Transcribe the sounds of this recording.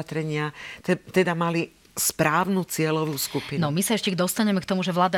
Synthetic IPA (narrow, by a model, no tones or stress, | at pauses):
at̪ɾɛɲɪat̪ɛt̪ɛd̪amali | spɾaːʊnut͡sɪɛlɔʋuːskupinɔmisaɛʃcɛd̪ɔst̪aɲɛmɛkt̪ɔmuʒɛʋlaːd̪a